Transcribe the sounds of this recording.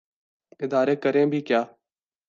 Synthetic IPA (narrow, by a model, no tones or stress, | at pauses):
ɪd̪aːɾeːkəɾẽːbʱiːkjaː